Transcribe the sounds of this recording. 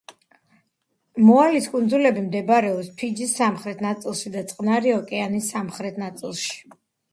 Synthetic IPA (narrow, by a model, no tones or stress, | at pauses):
mɔaliskʼund̪zulɛbimd̪ɛbaɾɛɔpspʰid͡ʒisːamχɾɛt̪ʰnat̪sʼilˠʃid̪at̪sʼqʼnaɾiɔkʼɛanisamχɾɛt̪ʰnat̪sʼilˠʃi̥